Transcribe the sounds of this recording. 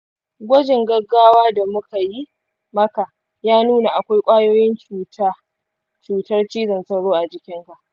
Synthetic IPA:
ɡʷɔ˦d͡ʒɪ˨ŋɡɐ˦ɡːaː˦waː˦da˨mʊ˦ka˨ji˦ | mɐ˦ka˨ | jaː˦nuː˦na˨ʔa˨kʷa˦jkʷʼaː˦joː˦jɪ˦nt͡ʃuː˦˨taː˦ | t͡ʃuː˨tɐ˦rt͡ʃiː˦zɐ˨nsɐ˦wɽoː˦ʔa˨d͡ʒɪ˦kʲɪ˦ŋka˨ʔ

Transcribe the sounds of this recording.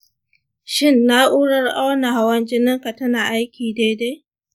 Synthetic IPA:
ʃɪ˦˨nːa˦ʔuː˦ɽɐ˦rʔa˦wna˨ha˨wɐ˦nd͡ʒɪ˦nɪ˦ŋka˨tɐ˦naː˨ʔa˦jkʲiː˨de˦de˦

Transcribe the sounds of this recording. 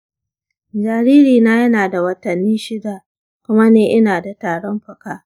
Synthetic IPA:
d͡ʒaː˨ɾiː˦ɾiː˨naː˦jɐ˦naː˨da˨wɐ˦tɐ˨nːiː˦ʃɪ˦da˨ | kʷʊ˦ma˦neː˨ʔɪ˦naː˨da˨taː˨ɽɔ˦mɸɐ˨kaː˦

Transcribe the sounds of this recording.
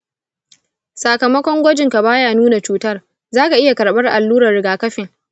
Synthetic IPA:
sa˨kɐ˨mɐ˦kʷɔ˦ŋɡʷɔ˦d͡ʒɪ˨ŋka˨baː˦jaː˦˨nuː˦na˨t͡ʃuː˨tɐ˦r | zaː˦ka˨ʔɪ˦ja˨kɐ˨ɽɓɐ˦rʔa˨lːuː˦ɾɐ˨rːɪ˨ɡaː˨kɐ˦ɸɪ˨ŋ

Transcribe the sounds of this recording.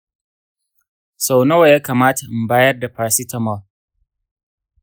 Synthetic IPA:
sa˨wno˦wa˨jaː˦kaː˨maː˦tʰa˨ʔmbaː˦jɐ˦rda˨ɸaː˨ɾsi˦tʰɐ˨ma˨l

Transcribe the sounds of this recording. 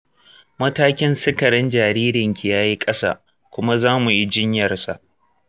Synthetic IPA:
mɐ˦taː˦kʲɪ˦nsɪ˦kɐ˨ɾɪ˦nd͡ʒaː˨ɾiː˦ɾɪ˨ŋkʲi˨jaː˦ji˦kʼɐ˦sa̰ː˦˨ | kʷʊ˦ma˦zaː˦mu˨ji˦d͡ʒɪ˦ɲjɐ˨rsa̰˨ʔ

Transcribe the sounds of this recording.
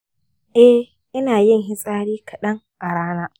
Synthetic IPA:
ʔɛ˦ | ʔɪ˦naː˨jɪ˦˨ŋɦɪ˦sʼaː˦ɽiː˦kʰɐ˨ɗɐ˦ŋ | ʔa˨ɽaː˦naː˦

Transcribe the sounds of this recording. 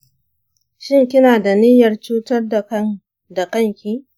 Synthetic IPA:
ʃɪ˦ŋkʲɪ˦naː˨da˨nɪ˦jɐ˨rt͡ʃuː˦tɐ˦rda˨kɐ˦ŋ | da˨kɐ˦ŋkʲiː˦

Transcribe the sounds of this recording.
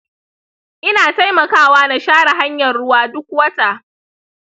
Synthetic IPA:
ʔɪ˦naː˨ta˦jmɐ˨kaː˦waː˦na˨ʃaː˦ɽa˨ɦa˦ɲjɐ˨rɽʊ˦waː˦dʊ˦k̚wɐ˦ta˨ʔ

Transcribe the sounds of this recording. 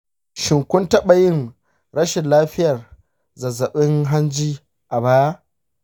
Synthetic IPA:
ʃɪ˨ŋkʷʊ˦ntɐ˦ɓa˨jɪ˦n | ɾɐ˦ʃɪ˨nlaː˦ɸɪ˦jɐ˨r | zɐ˨zɐ˨ɓɪ˦ŋɦa˦nd͡ʒiː˦ | ʔa˨baː˦j

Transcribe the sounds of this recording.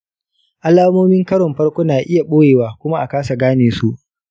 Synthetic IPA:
ʔa˦laː˦moː˦mɪ˦ŋkɐ˦ɽɔ˨mɸɐ˦ɽkʷoː˦naː˨ʔɪ˦ja˨ɓoː˦jeː˨waː˨kʷʊ˦ma˦ʔa˨kaː˦sa˨ɡaː˦neː˨su˦ʔ

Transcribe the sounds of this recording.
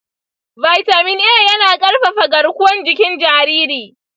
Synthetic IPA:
ba˨jta˨mɪ˦nʔeː˦˨jɐ˦naː˨kʼɐ˦ɽɸa˨ɸɐ˨ɡɐ˨ɽkʷʊ˦wɔ˦nd͡ʒɪ˦kʲɪ˦nd͡ʒaː˦ɾiː˦ɾiː˨

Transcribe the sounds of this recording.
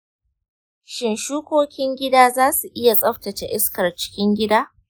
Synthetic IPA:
ʃɪ˨nʃuː˦kʷoː˦kʲɪ˦ŋɡʲɪ˦daː˦zaː˦su˨ʔɪ˦ja˨sʼɐ˦ɸtɐ˨t͡ʃe˨ʔɪ˦skɐ˨rt͡ʃɪ̥˦kʲɪ˦ŋɡʲɪ˦daː˦

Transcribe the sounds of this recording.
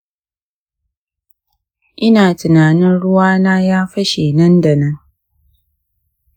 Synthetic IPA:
i˦na˨tɨ˨na˨nɨ̃˦ɾu˦waː˦na˦ja˦fə˦ʃi˨nɨ̃˦n̩˦də˨nɨ˦

